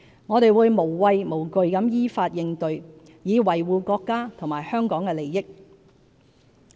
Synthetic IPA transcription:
ŋɔː˨˧t̪e˨jwuː˨˧jmo˨˩wwɐ˧jmo˨˩wkɵ˨ɥkɐ˨˥mjiː˥faː˧t̚jɪ˧ŋt̪ɵ˨˧ɥ | jiː˨˧wɐ˨˩jwuː˨˧kɔː˧kːaː˥t̪ʰŋmaː˨jhœː˥ŋkɔː˨˥ŋkɛː˧le˨˩jːɪ˥k̚

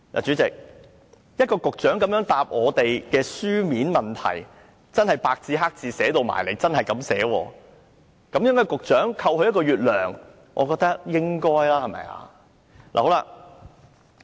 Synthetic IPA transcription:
la̰ː˨˩t͡ʃyː˨˥t͡sɪ˨k̚ | jɐ˥t̚kɔː˧kʊ˨k̚t͡ʃœː˨˥ŋkɐ˨˥mjœː˨˥ŋt̪aː˨p̚ŋɔː˨˧t̪e˨jkɛː˧syː˥miː˨˥nmɐ˨nt̪ʰɐ̰˨˩j | t͡sɐ˥nhɐ˨jpaː˧k̚t͡siː˧ɦaː˥k̚t͡siː˨˧sɛː˨˥t̪o˨˧wma̰ː˨˩jle˨jt͡sɐ˥nhɐ˨jkɐ˨˥msɛː˨˥wɔː˧ | kɐ˨˦mjɛː˨˥ŋkɔ˧kʊ˨k̚t͡ʃœː˨˥ŋkʰɐ˧whɵ˨˧jɐ˥t̚kɔː˧ɥyː˨t̚lœː˨˩ŋ | ʔɔ̰˨˧kɔː˧k̚t̪ɐ˥k̚jɪ˥ŋkɔː˥jlaː˥hɐ˨mɐ̰˨ja̰ː˧ | la̰˨ho˨˥wla̰ː˧

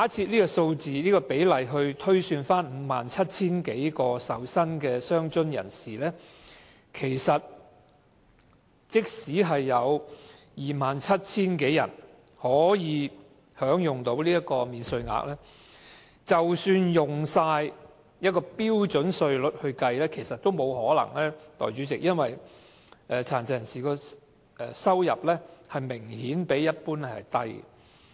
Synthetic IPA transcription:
haː˨˥t͡sʰiː˧t̚liː˥kɔː˧so˧wt͡siː˨niː˥kɔː˧pe˨˥jlɐ˨jɦɵ˧ɥt̪ʰɵ˥ɥsyː˧nfaː˥nm̩˨˥maː˨˩nt͡sʰɐ˥t̚t͡sʰiː˥nke˨˥jkɔː˧sɐ˨wsɐ˥nkɛː˧sœː˥ŋt͡ʃɵ˥njɐ̰˨˩nsiː˨lɛː˥ | kʰe˨˩jsɐ˨t̚ | t͡sɪ˥k̚siː˨˥ɦɐ˨jːɐ˨˧w | jiː˨maː˨˩nt͡sʰɐ˥t̚t͡sʰiː˥nke˨˥jːɐ̰˨˩n | hɔː˨˥jiː˨˧ | hœː˨˥ŋjʊ˨˩ŋt̪o˨˥wliː˥jɐ˥t̚kɔː˧miː˨nsɵ˧ɥŋa̰ː˨˥k̚lɛː˥ | t͡sɐ˨wsyː˧njʊ˨ŋsaː˧j | jɐ˥t̚kɔː˧piː˥wt͡ʃɵ˨˥nsɵ˧ɥlɵ˨˩t̚hɵ˧ɥkɐ˧jlɛː˥kʰe˨˩jsɐ˨t̪̚ːo˥wmo˨˧whɔː˨˥lɐ̰˨˩ŋlɛː˥t̪ɔ̰ː˨jt͡ʃyː˨˥t͡sɪ˨k̚jɐ˥nwɐ˨j | ʔɛː˨˧t͡sʰaː˨˩nt͡sɐ˨˧jɐ˨˩nsiː˨˩kɔː˧ | ɛ˨˧sɐ˥wjɐ˨p̚lɛː˥hɐ˨jmɪ˨˩ŋhiː˨˥npe˨˥jːɐ˥t̚puː˥nɛ˥hɐ˨jt̪ɐ˥j̰

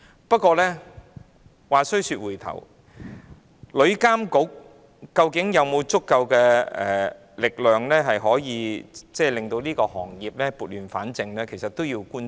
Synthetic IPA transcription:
pɐ˥t̚kʷːɔː˧lɛː˥ | waː˨˩sɵ˥ɥsyː˧t̚wuː˨˩jt̪ʰɐ̰˨˩w | lɵ˨˧ɥkaː˥mkʊ˨˥k̚ː | ɐ˧wkɪ˨˥ŋjɐ˨˧wmo˨˧wt͡sʊ˥kːɐ˧wkɛː˧ɛ̰ː˨ | lɪ˨k̚lœː˨ŋlɛː˥ɦɐ˨jɦɔː˨˥jiː˨˧t͡sɛː˥lɪ˨˩ŋt̪o˧wliː˥kɔː˧hɔ̰ː˨˩ŋjiː˨p̚lɛː˥puː˨t̚lyː˨˩nfa̰ː˨˥nt͡sɪ˨˧ŋlɛː˥kʰe˨˩jsɐ˨t̪̚o˥wjiː˧wkuː˥n

